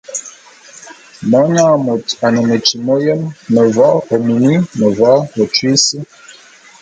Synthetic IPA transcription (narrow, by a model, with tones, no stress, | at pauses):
mɔ˨˦ɲaː˦˨mo˨ta˨nə˨mə˨t͡ʃi˨mo˦jə˦mːə˨vɔ˦o˨mi˨ni˦mə˨vɔ˦o˨t͡ʃwi˦si˦